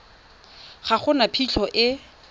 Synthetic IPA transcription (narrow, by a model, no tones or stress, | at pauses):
χaχʊnapʰiɬʰɔʔɪ